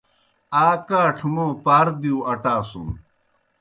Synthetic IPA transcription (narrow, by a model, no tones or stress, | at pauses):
aːkaːʈʰumoːpaːɾd̪iuɐʈaːsṵm